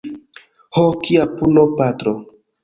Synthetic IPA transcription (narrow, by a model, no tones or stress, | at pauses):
hokiapulopatɾo